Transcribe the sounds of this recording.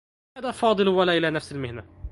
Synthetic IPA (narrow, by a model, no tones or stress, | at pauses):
ad̪afɑːd̪ˤɨlwalaʔɪlaːnafsɪlmɪhna